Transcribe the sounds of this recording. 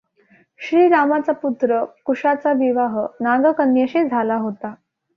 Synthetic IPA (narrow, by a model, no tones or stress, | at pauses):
ɕɾiːɾamat͡saput̪ɾəkuʂat͡saʋiʋaɦənaɡəkənjəɕed͡zʱalaɦot̪a